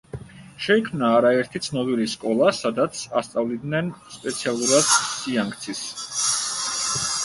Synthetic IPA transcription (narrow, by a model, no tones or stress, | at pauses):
ʃɛikʰmnaːɾaɛɾt̪ʰit̪sʰnɔbiliskʼɔlˠasad̪at̪sʰast̪sʼavlid̪nɛnspʼɛt̪sʰialˠuɾad̪̥siaŋɡt̪sʰis